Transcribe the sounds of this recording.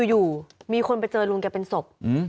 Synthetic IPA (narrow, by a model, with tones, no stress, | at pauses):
juː˨˩miː˧kʰo˧np̬a˧jt͡ɕɤː˧lu˧ŋkɛː˧˩pe˧nso˨˩p̚ʔ̩˧˥˩